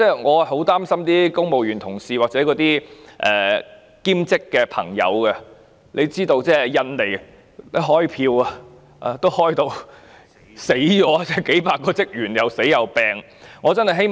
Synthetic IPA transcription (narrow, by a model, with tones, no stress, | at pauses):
t͡sɛː˥˩ŋɔː˨˧˨ɦo˨˥wt̪aː˥msɐ˥mt̪iː˥kʊ˥ŋmo˨wjyː˨˩nt̪ʰʊ˨˩ŋsiː˨˩waː˨k̚t͡sɛː˨˥kɔː˨˥t̪iː˥ʔɛː˨ | kiː˥mt͡sɪ˥kːɛː˧pʰɐ̰˨˩ŋjɐ̰˨˧wkɛ˧ | lʔe˨˧jt͡siː˥t̪o˧wt͡sɛː˥jɐ˧nle˨˩j | le˥ɦɔː˥jpʰiː˧wa˧ | ʔaː˧t̪o˥whɔː˥jt̪o˧w | se˨˥jt͡ʃɔː˨˥t͡sɛː˥˩ke˨˥jpaː˧kːɔː˧t͡sɪ˥k̚ɥyː˨˩njɐ˨wse˨˥jjɐ˨wpɛː˨˧ŋ | ŋɔː˨˧t͡sɐ˥nhɐ˨jɦe˥j